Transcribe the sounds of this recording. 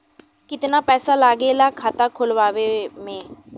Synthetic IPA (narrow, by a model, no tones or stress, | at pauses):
kɪt̪napɛːsalaːɡelaːkʰaːt̪akʰʊlʋaːʋemẽː